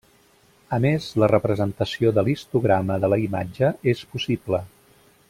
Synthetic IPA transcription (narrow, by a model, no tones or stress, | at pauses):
əmezlərəpɾəzənt̪əsioðəlist̪uɣɾaməðələimad͡ʒəespusiblə